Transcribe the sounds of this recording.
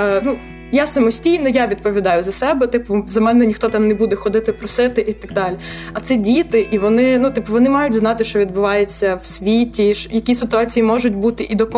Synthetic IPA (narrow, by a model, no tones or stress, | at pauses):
nu | jasɐmɔsʲtʲijnɔjaʋʲid̪̚pɔʋʲid̪ɑjʊzɐsɛbɛt̪ɪpʊzɐmɛnɛnʲixt̪ɔt̪ɑmnɛbud̪ɛxɔd̪ɪt̪ɪpɾɔsɪt̪ɪʔit̪ɐɡd̪ɑlʲiɐt̪sɛdʲit̪ɪʔiʋɔnɪnut̪ɪpʊʋɔnɪmɑjʊtʲznɑt̪ɪʃt͡ʃɔʋʲid̪bʊʋɑjet͡sʲːɐwsʲʋʲitʲiʃjɐkʲisɪt̪ʊɑt͡sʲijimɔʒʊtʲbut̪ɪʔid̪ɔk